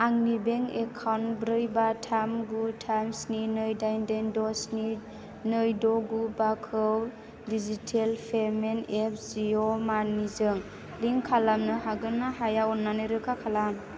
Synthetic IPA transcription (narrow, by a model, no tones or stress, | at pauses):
aŋnibeŋekʰawnbɾɯjbatʰamɡutʰamsninɯjdajndendɔsni | nɯjdɔɡubakʰɯw | dizitʰelpʰemenep̚ʰziɔmanizɯŋ | liŋkʰalamnɯɦaɡɯnaɦajaɔnːanɯɾɯkʰakʰalam